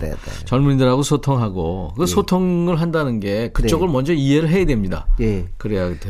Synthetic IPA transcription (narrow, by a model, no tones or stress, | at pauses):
t͡ɕʌɭmuɲindɯɾɦaɡosʰotʰoŋɦaɡo̰kɯɯsʰotʰoŋɯɭɦandanɯnɡe̞kɯt͡ɕ͈ʌɡɯɭmʌnd͡ʑʌiɦe̞ɾɯɭɦe̞jadwe̞mɲida̰jekɯɾejaɡe